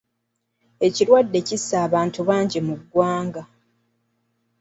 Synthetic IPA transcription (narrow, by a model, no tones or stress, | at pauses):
e̞ciɾwadːe̞cisːaːβaːntuβaːɲɟimuɡːwaːŋɡa